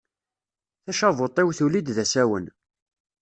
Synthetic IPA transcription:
θæʃævot̪ˤɪwθulid̪ðæsæwən

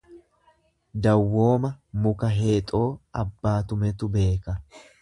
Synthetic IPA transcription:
d̪ɐwːo̞ːmɐmʊkɐɦeːt̪ʼo̞ːʔɐbːaːt̪ʊmɛt̪ʊbe̞ːkɐ

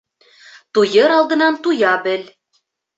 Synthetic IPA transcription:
t̪ujɤɾɑlˠd̪ɤ̆nɑnt̪ujɑbɘl

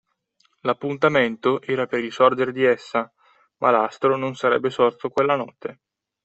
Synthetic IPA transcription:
lapːunt̪ament̪oʔɛːɾapeɾilsɔrd͡ʒeɾed̪iɛsːa | mʔalast̪ɾononsaɾɛ̰bːesɔrt̪okwelːanɔt̪ːe

